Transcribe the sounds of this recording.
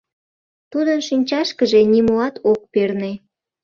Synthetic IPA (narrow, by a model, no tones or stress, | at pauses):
t̪ud̪ənʃinʲt͡ɕɑʃkəʒenimoɑt̪ʰok̚perne